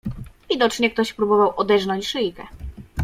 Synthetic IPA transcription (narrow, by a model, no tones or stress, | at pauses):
vʲid̪ɔt͡ʂɲɛk̚t̪ɔɕpɾubɔvawʔɔd̪ɛʐnɔɲt͡ɕʂɘjkɛ